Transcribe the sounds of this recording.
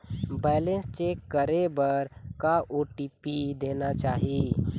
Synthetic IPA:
bɛːlẽnst͡ʃeːkːəɾebəɾkaʔoːʈiːpid̪eːnat͡ʃaːɦie

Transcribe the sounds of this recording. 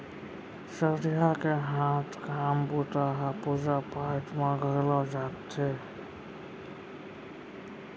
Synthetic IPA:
səd̪jakeɦãt̪ʰkambut̪aɦapud͡ʒapaɾʈʰmeɡʱəɾlɔd͡ʒat̪t͡ʃʰe

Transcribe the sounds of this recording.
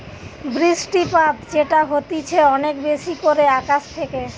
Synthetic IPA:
bɾisʈipat̪d͡ʑeʈaɦot̪it͡ɕʰeɔnekbeʃikoɾeakaʃt̪ʰeke

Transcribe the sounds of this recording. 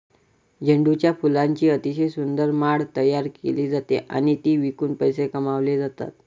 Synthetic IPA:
d͡ʑəɳɖut͡ɕjafulãɲt͡ɕiːət̪iɕesund̪əɾmaɽt̪əjaɾkḛliːd͡zat̪ḛʔa̰ɽ̃it̪iːʋikuːnpəjsekəmaʋled͡zat̪a̰t̪̚

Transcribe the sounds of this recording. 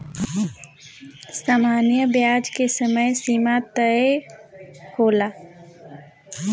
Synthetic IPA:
saːmaːnjəbjaːd͡ʒkesəməjsiːmat̪əe | kʰoːlaː

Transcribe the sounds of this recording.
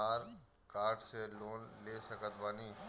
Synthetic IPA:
aːɾ | kaːɾʈseloːnleːsəkət̪baːniː

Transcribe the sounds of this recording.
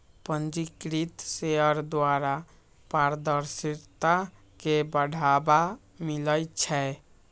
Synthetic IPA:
pənd͡ʒikɾit̪seəɾd̪waɾa | paɾd̪əɾsiɾt̪a | kebəɽʱaba | miləjt͡ʃʰɛ

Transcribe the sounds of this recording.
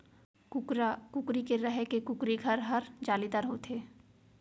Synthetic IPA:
ʊɾakʊkɾikeɾɛɦkekʊkɾiɡʱɐɾɦɐɾd͡ʒaːlid̪aɾɦoːt̪eː

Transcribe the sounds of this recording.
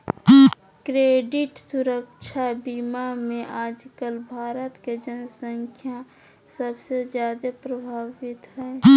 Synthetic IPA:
kɾeːɖɪʈsʊɾəkʃʰabiːmamẽʔaːd͡ʒkəlbʱaːɾət̪ked͡ʒənsə̃ŋkʰja | səbsezjaːd̪epɾəbʱaːʋɪt̪ɦɛː

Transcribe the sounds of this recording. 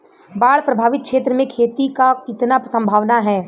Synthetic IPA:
baːɭpɾɐbʱaːʋɪt̪̚kʃeːt̪ɾəmẽkʰeːt̪ikakɪt̪napsə̃mbʱaːʋnaɦɛː

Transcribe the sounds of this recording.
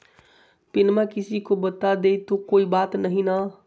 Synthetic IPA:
pɪnmakɪsikobət̪ad̪ejt̪okoibat̪nəɦina

